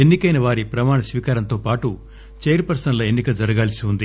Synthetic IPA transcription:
enːikɐjnɐʋaːɾipɾɐmaːɳɐsʋiːkaːɾɐnt̪o̞ːpaːʈu | t͡ʃejɐɾpɐɾsɐnloenːikɐd͡ʒɐɾɐɡaːlɐsiund̪i

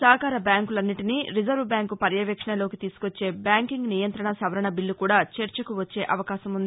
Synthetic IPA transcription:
saːkaːɾɐbjaːŋkulɐnːiʈiniːɾid͡ʒɐɾʋbjaːŋkupɐɾjɐʋɐkʂɐɳɐlo̞ːkit̪iːsu̥kot͡ʃːe̞ːbjaːŋkiŋɡnijɐnt̪ɾɐɳɐsɐʋɐɾɐɳɐbilːukuːɽaːt͡ʃɐɾt͡ʃɐkuʋɐt͡ʃːe̞ːʔɐʋɐkaːʃɐmund̪ii

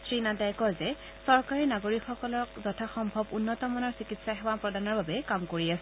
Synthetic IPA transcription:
tɹinadajkɔzɛ | sɔɹkaɹinaɡoɹikxɔkɔlɔkzɔtʰaxɔmbʱɔbunːɔtɔmɔnɔɹsikitsaxɛwapɹɔdanɔɹbabɛkamkoɹiasɛ

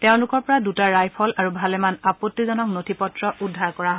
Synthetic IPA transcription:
teʊ̃lʊkɔɹpɔɹadutaɹajpʰɔlaɹubʱalɛmanapotːizɔnɔknotʰipɔtɹɔʔudʱːaɹkɔɹaɦɔ

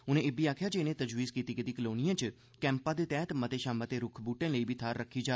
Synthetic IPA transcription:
ʊnẽebiaːkʰjad͡ʒeːnet̪əd͡ʒʋiːzkiːt̪ikəd̪ikəloːnijə̃t͡ʃ | kɛ̃ːmpãd̪et̪ɛːɦt̪mət̪eʃãːmbət̪eɾʊkʰbuːʈẽləibʱit̪ʰaːɾːəkʰːid͡ʒaː

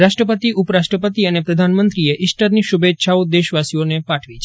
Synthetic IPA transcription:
ɾaʃʈɾəpət̪iʔʊpɾaʃʈɾəpət̪iənepɾəd̪ʱanmənt̪ɾieʔɪsʈəɾniʃubet̪ːʃʰaod̪eʃʋasionepaʈʰʋit͡ʃʰ

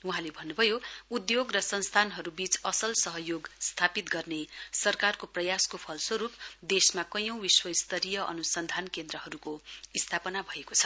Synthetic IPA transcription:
uɦãlebʱʌnːubʱʌjoud̪joɡrʌsʌnst̪ʰanɦʌɾubit͡sʌsʌlsʌɦʌjoɡst̪ʰapit̪ɡʌrnesʌrkarkoprʌjaskopʰʌlsʌɾup̚d̪esmakʌjʌ̃w̃biswʌist̪ʌɾijʌʔʌ̰nusʌnd̪ʱankend̪rʌɦʌɾukoist̪ʰapʌnabʱʌekot͡sʰʌ̥

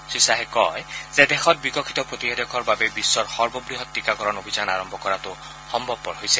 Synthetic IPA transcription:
susaɦekɔ̰jzed̪exʰɔt̚bikɔkʰi̥t̪ɔpɹot̪iɦed̪ɔkʰɔɹbabebisːɔɹxɔɹbɔbɹiɦɔt̪ːikakɔɹɔnobʱizana̰ɹɔmbʱɔkɔɾatʊ | xɔmbʱɔb̚pɔɹɦojse

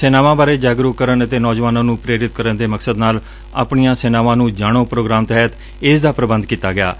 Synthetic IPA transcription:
sɛːnaːʋãːbaːɾeːd͡ʒaːɡɾukəɾənət̪eːnɔːd͡ʒʋaːnãːnũːpɾeːɾɪt̪kəɾənd̪eːməksəd̪naːl | a̰ːpɳijãːsɛːnaːʋãːnũːd͡ʒaːɽ̃õːpɾoːɡɾaːmt̪əɦɛət̪ | ɪsd̪aːpɾəbənd̪̚kiːt̪aːɡɪja̰ː

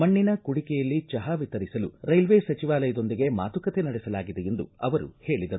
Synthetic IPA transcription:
mɐɳːinɐkuɽikɛjɐlːit͡ʃɐɦaʋit̪ɐɾisɐluɾɐjlʋeːsɐt͡ʃiʋaːlɐjɐd̪o̞nd̪iɡe̞ma̰ːt̪ukɐt̪enɐɽɛsɐlaːɡid̪eje̞nd̪uɐʋɐɾṵhe̞ːɭid̪ɐɾu

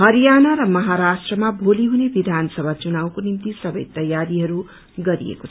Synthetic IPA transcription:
ɦʌɾijanaɾʌmʌɦaɾasʈrʌmabʱoliɦunebid̪ʱanʌsʌbʱat͡sunaw̃konimt̪isʌbʌjt̪ʌjaɾiɦʌɾu | ɡʌɾḭḛkot͡sʰʌ

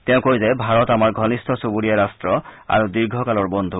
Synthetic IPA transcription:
tɛʊ̃kojzɛbʱaɹɔtamaɹɡʱɔnistʰɔsubuɹijaɹastɹɔa̰ɹudiɹɡʱɔkalɔɹbɔnd̪ʱu

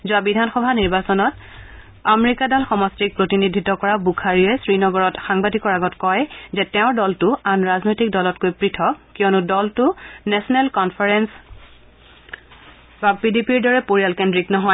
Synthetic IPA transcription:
zʊwabidʱanxɔbʱaniɹbasɔnɔt | ameɹikadalxɔmɔstɹik̚pɹotinidʱitɔkɔɹabukʰaɹiɛsɹinɔɡɔɹɔtxaŋbadʱikɔɹaɡɔtkɔjzɛtɛʊ̃ɹdɔltʊanɹaznojtik̚dɔlɔtkojpɹitʰɔkkiɔnʊdɔltʊnɛsɔnɛlkɔnpʰaɹɛns | bapidipiɹdɔɹɛpoɹijalkendɹiknɔɦɔj

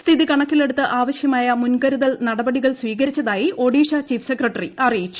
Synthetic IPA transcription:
st̪ʰiðikɐɳɐkːile̞ɽut̪ːɨʔaːʋɐɕjɐmaːjɐmunɡɐɾuðɐlnɐɽɐbɐɽiɣɐɭswiːɣɐɾit͡ɕːɐðaːjiʔo̞ɽiːʂɐt͡ɕiːfsekrɐʈːɐriɐrijit͡ɕːu̥

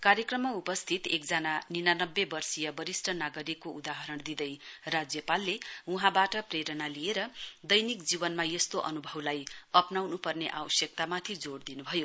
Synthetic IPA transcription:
kaɾjʌkrʌmːaupʌst̪ʰit̪ekd͡zananinanʌbːebʌrsijʌbʌɾisʈʰʌnaɡʌɾikoud̪aɦʌɾʌɳd̪id̪ʌjrad͡zjʌpalːeuɦãbaʈʌpreɾʌnalijeɾʌd̪ʌjnikd͡zibʌnmajʌst̪oʔʌ̰nubʱʌblajʌpnawnupʌrneʔa̰wʌsjʌk̚t̪amat̪ʰid͡zoɽd̪inubʱʌjo

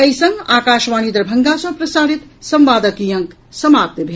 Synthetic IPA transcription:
kɐjsɐŋɡaːkaːʃʋaːnid̪ɾɐbʱɐŋɡasɐ̃pɾɐsaːɾit̪sɐmʋaːd̪ɐkijɐŋk | sɐmaːp̚t̪bʱe

